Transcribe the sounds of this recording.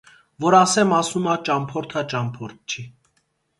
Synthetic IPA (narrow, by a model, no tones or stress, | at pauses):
vɔɾɑsɛmɑsumɑt͡ʃɑmpʰɔɾt̪ʰɑt͡ʃɑmpʰɔɾt̪̚ʰt͡ʃʰi